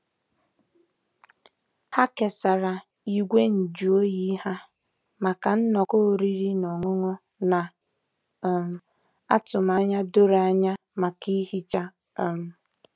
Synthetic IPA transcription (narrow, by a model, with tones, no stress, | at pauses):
ha˦ke˨sa˨ɾa˨ | i˨ɡʷe˦n̩˨d͡ʒu˨o˦ji˦ha˦ | ma˨ka˨n̩˦nɔ˨ko˦˨ɾi˦ɾi˦nɔ˨ŋʊ˦ŋɔ˦ | na˨ | m˨ | a˦tʊ˨m˨a˨ɲa˦do˦ɾa˦ɲa˦ | ma˨ki˦hi˦t͡ʃa˦˨ | m̩˨